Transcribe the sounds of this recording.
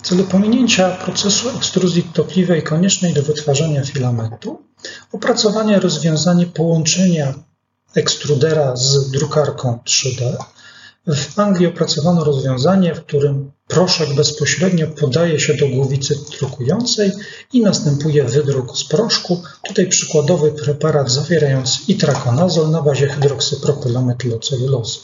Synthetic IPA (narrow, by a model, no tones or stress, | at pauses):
t̪sɛlupɔmʲiɲeɲt͡ɕapɾɔt̪sɛsuɛkst̪ɾuzʲjit̪ɔplʲivɛjkɔɲɛt͡ʂnɛjd̪ɔvɘt̪faʐaɲafʲilamɛt̪u | ɔpɾat̪sɔvaɲɛɾɔzvʲjɔ̃w̃zaɲɛpɔwɔnt͡ʂɛɲa | ɛkst̪ɾud̪ɛɾazd̪ɾukaɾkʰɔ̃w̃t̪ʂɘd̪ɛ | vaŋɡlʲiɔpɾat̪sɔvanɔɾɔzvʲjɔ̃w̃zaɲɛfk̚t̪uɾɘmpɾɔʂɛɡbɛspɔɕɾɛd̪ɲɔpɔd̪ajɛɕɛd̪ɔɡwuvʲit̪sɘt̪ɾukujɔnt̪sɛj | inast̪ɛmpujɛvɘd̪ɾukspɾɔʂku | t̪ut̪ajpʂɘ̥kwad̪ɔvɘpɾɛpaɾad̪zavʲjɛɾajɔnt̪sɘ̥it̪ɾakɔnazɔlnabaʑɛxɘd̪ɾɔksɘpɾɔpɛlɔmɛt̪lɔt̪sɛlulɔsu̥